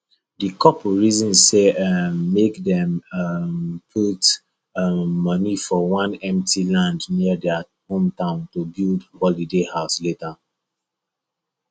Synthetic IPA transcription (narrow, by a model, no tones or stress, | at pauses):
dikʰɔpɹizɔ̃nsemːekdɛ̃mmpʰut | ʌnifɔwãnɛ̃mtʰilãndniədɛa | hõmtãʊ̃ntubildhɔlidehaʊsleta